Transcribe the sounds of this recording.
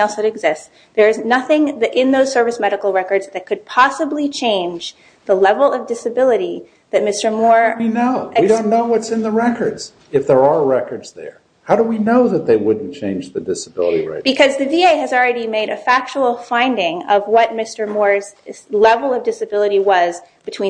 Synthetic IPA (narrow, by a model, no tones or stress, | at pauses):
ɛlˠsɨɾɨɡzɪsts | ðə˞ɨznʌθɪ̃ŋðɨʔɪ̃nðoʊz̥sɜ˞vɨsmɛɾɨkl̩ˠɹɛkə˞dzðɨt̚kʰɨd̚pʰɑsəblit͡ʃʰẽɪ̃nd͡ʒ | ðəlɛvl̩ˠʌvdɪsɨbɪlˠəɾi | ðɨt̚mɪstə˞mɔɹinoʊiɾõʊ̃nːoʊwʌtsɨ̃nðəɹɛkə˞dz̥ | ɨfðə˞əɹɛkə˞dz̥ðə̰˞ | haʊɾəwinoʊðɨt̪̚ðeɪwʊdⁿn̩t͡ʃʰẽɪ̃nd͡ʒðɨdɪsəbɪ̰lˠə̰ɾḭɹa̰ɪb̥ɨkʰʌzðɨvieɪɨzl̩ˠɹɛɾimeɪɾɨfæk̚t͡ʃəl̩ˠfãɪ̃ndɪ̃ŋʌvwʌt̚mɪstə˞mɔɹz̥lɛvl̩ˠʌvdɪsɨbɪlˠəɾiwʌzb̥ɨtʰw̥ĩ